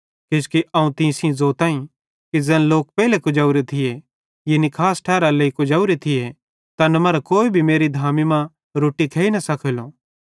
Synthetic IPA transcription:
keskiʔɐũt̪ĩsĩzoːt̪ãːĩ | kid͡zɛːnloːk̚pɛːlekʊd͡ʒaːuɾet̪ʰɪje | jenikʰaːsʈʰɛːɾaleikʊd͡ʒaːuɾet̪ʰɪje | t̪ɐnɐmɐɾakoːibʱimeːɾid̪ʱaːmimã | ɾoːʈikʰeːinɐsɐkʰəlo

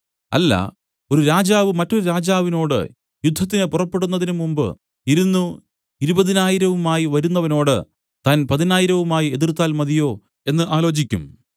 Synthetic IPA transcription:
ɐ̰lːɐ̰ | o̞ɾuɾaːd͡ʑaːʋɨmɐtːo̞ɾuɾaːd͡ʑaːʋino̞ːɽɨ̰ | jud̪ʱːɐt̪̬ːinɨpurɐpːe̞ɽunːɐðinumumbɨ̰ | iɾunːu | iɾubɐðinaːjiɾɐʋumaːjiʋɐɾunːɐʋɐno̞ːɽɨ | t̪aːnpɐðinaːjiɾɐʋumaːjie̞ðirt̪ːaːlmɐðijo̞ː | e̞nːɨʔaːlo̞ːt͡ɕikʲːum

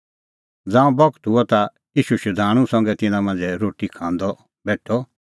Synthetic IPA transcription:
d͡zãːũbɔɡt̪ɦuɔt̪a | jiːʃuʃʊd̪ʱaːɽ̃ũsɔ̃ŋɡɛt̪ɪnãmɐ̃nd͡zɛɾoːʈikʰãːnd̪ɔ | bɛːʈʰɔ

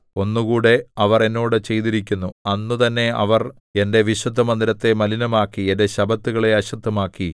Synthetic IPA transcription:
o̞nːukuːɽe̞ɐʋɐre̞nːo̞ːɽɨt͡ɕe̞jt̪iɾikʲːunːuɐnːut̪ɐnːe̞ɐ̰ʋɐr | e̞nde̞ʋiɕwɐd̪ʱːɐmɐnd̪iɾɐt̪ːe̞mɐlinɐmaːkːiende̞ɕɐbɐt̪ːuɣɐɭe̞ɐɕɐt̪ːɐmaːkːi

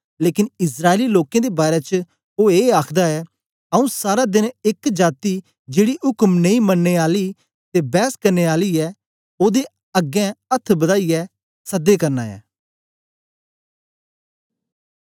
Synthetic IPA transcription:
leːkɪnɪsɾaːeliloːkẽd̪ebaːɾet͡ʃə | oːeːaːkʰd̪aɛː | əũsaːɾad̪ɪnɪkd͡ʒaːt̪i | d͡ʒeːɽiɦʊkmnəĩmɐnːeaːli | t̪ebɛːskəɾneːaːliɛː | oːd̪e | ɐɡɛ̃ət̪ʰːbəd̪aːiɛ | sɐd̪ekɐɾna̰ːɛ̰ː

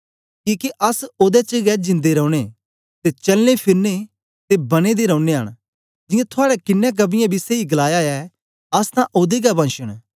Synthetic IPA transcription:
kiːkiʔɐsoːd̪ɛt͡ʃəɡɛd͡ʒɪ̃nd̪eɾɔ̃uɽ̃e | t̪et͡ʃɐlnepʰɪɾne | t̪ebɐñed̪eɾə̃ʊneɦɐ̰ɽ̃ | d͡ʒɪjãt̪ʰʊaːɽɛkɪnːɛ̃k̬ɐbɪjãbiseiɡɐlaːjaɛ | ɐst̪ãʔoːd̪eɡabɐ̃nʃəɽ̃

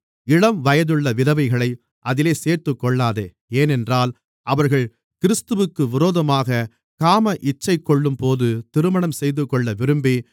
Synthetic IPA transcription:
ɪɽɐmʋɐjɐðɯɭːɐʋɪðɐʋɐɪɣɐɭɐɪ | ʔɐðɪleːseːɾt̪ɯkːɔɭːaːðe | eːnɛndraːl | ʔɐʋɐɾɣɐɭ | kɪɾɯst̪ɯʋɯkːɯʋɪɾoːðɐmaːɣɐ | kaːmɐʔɪt͡ʃːɐɪkːɔɭːɯmpoːðɯt̪ɪɾɯmɐɳɐmsɛjðɯkːɔɭːɐʋɪɾɯmbi

